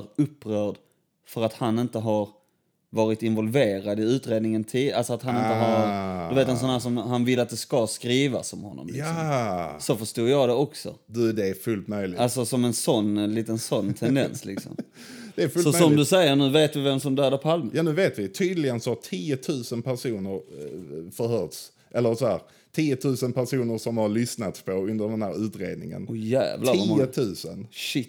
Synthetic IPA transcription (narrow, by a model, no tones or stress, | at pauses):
ɾɵpːɾœːɖ̪ | fœɾat̪hanɪnt̪əɦaɾ | vɑːɾɪt̪ɪnvɔlveːɾad̪ɪʉ̟ːt̪ɾeːd̪nɪŋənt̪ʰiːalsɔat̪hanɪnəɦɑɾɵveːt̪ɛnsɔnhæːʂɔmhanvɪlːat̪̚d̪ɛskaskɾiːva̰sɔmhɔnːɔ̰mlɪ̰ksɔsɔfœʂtuːɾjɑːd̪ɛɔksɔ̰d̪ʉd̪ɛːfɵlt̪mœjlɪalsɔsɔmɛnsɔnːliːt̪ənsɔnːt̪ʰɛnd̪ɛnslɪ̰ksɔ̰m | dd̪ɛːɾfɵlsɔmœɔmd̪ɵsɛjːəɾɳnʉ̟ːveːt̪vɪvɛmsɔmd̪æːd̪apʰalməjaːnʉ̟ːveːt̪vɪt̪ʰyːd̪lɪɡənsɔhat̪ʰiːət̪ʰʉ̟ːsənpʰæɾʂuːnəɾ | fœɾhœːt̪s | ʔɛlːəɾsɔhæːɾ | t̪ʰiːət̪ʰʉ̟ːsənpæɾʂuːnəɾʂɔmhaɾlʏsnat̪pʰɔɵnd̪əɾɖ̪ɛnhæːɾʉ̟ːt̪ɾḛːd̪nɪ̰ŋə̰nɔjæ̰ːvlaːət̪ʰʉ̟ːsənʃɪ